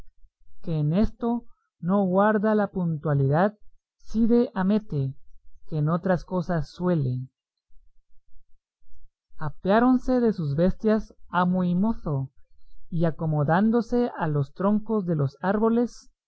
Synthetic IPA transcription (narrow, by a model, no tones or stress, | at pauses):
ke̞ːne̞st̪o̞ | no̞ɣwaɾðalapunt̪waliðað | siðe̞ʔame̞t̪ekeːno̞t̪ɾasko̞sasːwe̞le | apjaɾo̞nse̞ðe̞suzβe̞st̪jasamoimo̞θo | iako̞mo̞ðand̪o̞se̞alo̞st̪ɾo̞ŋko̞zðe̞lo̞saɾβo̞le̞s